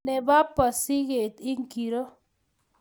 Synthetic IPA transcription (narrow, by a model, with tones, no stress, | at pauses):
nɛ˨ba˦pːa˨si˦ɡe˨t̪ɪ˦ŋki˨ɾo˦